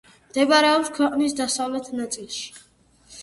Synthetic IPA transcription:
md̪̥ɛbaɾɛɔpskʰwɛqʼnisd̪asavlɛt̪ʰnat̪sʼilˠʃi̥

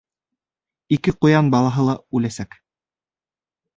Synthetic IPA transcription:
ikɘqŏjɑnbɑlˠɑɦɤlˠɑʉlæsæk

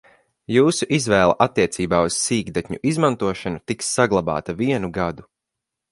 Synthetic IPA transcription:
juːsuʔizvɛːlˠa̰ʔat̪ːiɛt̪siːbaːuz̥siːɡd̪at̪ʲɲṵʔizmant̪uɔʃanut̪iksːaɡlˠaba̰ːt̪aviɛnuɡad̪u

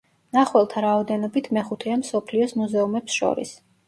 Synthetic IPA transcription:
naχwɛlˠt̪ʰaɾaɔd̪ɛnɔbit̪ʰmɛχut̪ʰɛamsɔpʰliɔsmuzɛumɛpsʃɔ̰ɾḭs

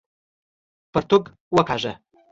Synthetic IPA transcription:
pʰɨrtʰuɡ | wakʰaʒa

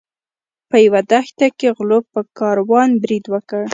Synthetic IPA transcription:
pəjawad̪axt̪akeɣlopəkɑɾwɑnbɾid̪wəkəɽ

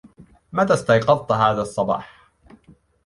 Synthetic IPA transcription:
mat̪aːst̪ɑjqɑðˤt̪ɦaːðasˤːɑbɑ̰ːħ

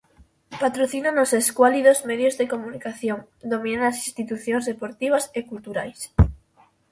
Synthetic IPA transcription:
pat̪ɾoθinanoseskwaliðozmeðjozðekomunikaθjoŋ | d̪omĩnanasinst̪it̪uθjoŋzðepoɾt̪iβ̞ɐsekult̪uɾajs

